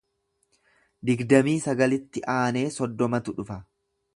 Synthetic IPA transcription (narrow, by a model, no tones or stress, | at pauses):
d̪ɪɡd̪ɐmiːsɐɡɐlɪt̪ːɪʔaːne̞ːsɔd̪ːɔmɐt̪ʊᶑʊfɐ